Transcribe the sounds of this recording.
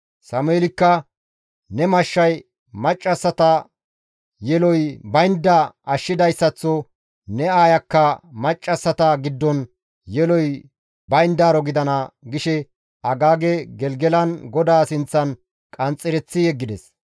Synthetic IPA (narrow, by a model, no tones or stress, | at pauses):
sɐmeːlɪkːɐ | nɛmɐʃːɐj | mɐt͡ʃʼːɐsːɐt̪ɐ | jɛlɔjbɐjnd̪ːɐɐʃːɪd̪ɐjsːɐt͡sːɔ | nɛaːjɐkːɐmɐt͡ʃʼːɐsːɐt̪ɐɡɪd̪ːɔn | jɛlɔj | bɐjnd̪aːɾɔɡɪd̪ɐnɐɡɪʃɛ | ɐɡaːɡɛɡɛlɡɛlɐnɡɔd̪aːsɪnt͡sːɐn | kʼɐnt͡sʼːɪɾɛt͡sːɪjɛɡːɪd̪ɛs